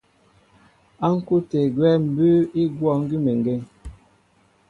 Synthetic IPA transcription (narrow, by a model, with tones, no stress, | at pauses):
a˦ŋ̩˦ku˦te˨ɡwɛ˦m̩˨bʉ˦i˦ɡwɔ˦˨ŋ̩˦ɡi˦me˨ŋ˨ɡe˦˨ŋ